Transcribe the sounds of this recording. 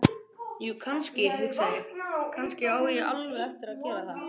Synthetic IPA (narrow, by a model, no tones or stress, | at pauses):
jʏkʰanscɪhɪsanʏkʰanscɪaːwɾɪʔa̰lvɛðɛft̪ɪɾaðcɛːɾaθa